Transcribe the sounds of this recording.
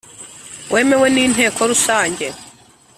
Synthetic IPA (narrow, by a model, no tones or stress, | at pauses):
wʔe̞ːme̞we̞niːn̥ɦe̞ːkʰo̞ɾusaːɲɟe̞